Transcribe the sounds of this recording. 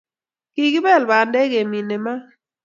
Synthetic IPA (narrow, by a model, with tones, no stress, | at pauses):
kɪ˦kɪ˦bɛ˦˨lba˨ndɛ˦ke˨mi˨ne˨ma˦